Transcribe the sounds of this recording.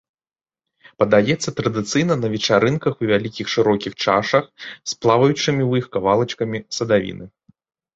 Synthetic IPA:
pɐd̪ajɛt̪sːɐt̪ɾɐd̪ɨt̪sɨjnɐnɐvʲɛt͡ʂaɾɨnkɐxuvʲalʲikʲixʂɨɾɔkʲixt͡ʂaʂɐxsplˠavɐjut͡ʂɨmʲiwjixkavalˠɐt͡ʂkɐmʲisɐd̪avʲḭnɨ

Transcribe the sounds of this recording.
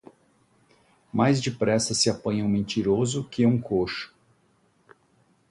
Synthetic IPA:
majzd͡ʒɪpɾɛsɐsɪapɐ̃ɲɐ̃w̃mẽnt͡ʃiɾozʊkɪũkʰoʃʊ̥

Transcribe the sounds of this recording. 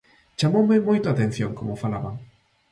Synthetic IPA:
t͡ʃamowmɪmojt̪ʊat̪en̟θjoŋkomʊfalaβaŋ

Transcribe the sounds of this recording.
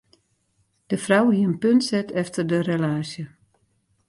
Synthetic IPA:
d̥əfrawhiəənpøntsɛtʰɛftʰərdərelaːsjə

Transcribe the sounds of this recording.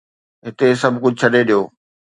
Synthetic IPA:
ɦɪt̪esɐbʱkʊd͡ʑʱʊt͡ɕʰɐɗeɗijoː

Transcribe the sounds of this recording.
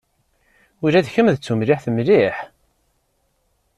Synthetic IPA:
ʊɾæðçəmðət͡sːumlɪħθəmliħ

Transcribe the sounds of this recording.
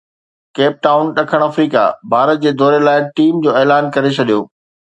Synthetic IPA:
keːp̚ʈaːʊnɗɐkʰəɽ̃ɐfɾiːka̰bʱaːɾət̪̚d͡ʑeːd̪ɔːɾelaːɪʈiːmd͡ʑoːeːlaːnkɐɾet͡ɕʰɐɗijoː

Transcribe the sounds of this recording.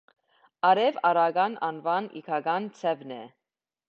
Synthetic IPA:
ɑɾɛvɑɾɑɡɑnɑnvɑnḭkʰɑɡɑnt͡sʰɛvnɛ

